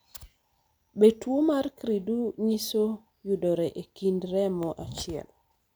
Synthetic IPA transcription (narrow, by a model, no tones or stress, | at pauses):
betwomarkɾiduɲiso | judɔɾɛʔekindɾɛmɔʔat͡ʃɪɛ̰l